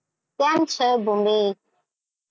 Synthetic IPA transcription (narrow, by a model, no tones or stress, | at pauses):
tamt͡ʃəbumbi